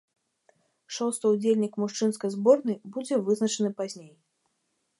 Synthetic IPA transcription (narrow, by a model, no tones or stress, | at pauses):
ʂɔst̪ɨud͡zʲelʲnʲikmuʂt͡ʂɨn̪skɐjzbɔrnɨjbud͡zʲɛvɨznɐt͡ʂɨnɨpazʲnʲej